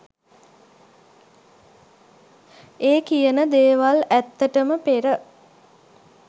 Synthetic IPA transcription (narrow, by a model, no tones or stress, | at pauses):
eːkijənəd̪eːʋalæt̪ːəʈəməpeɾə